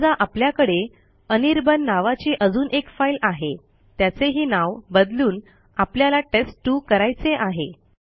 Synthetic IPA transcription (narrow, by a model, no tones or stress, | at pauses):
d͡zaʔapljakəɽe | əniɾbənːaʋat͡ɕiʔəd͡zuːnʔekfajlaɦe | t̪jat͡seɦiːnaʋbəd̪luːn | apljalaʈesʈːuːkəɾajt͡seʔaɦe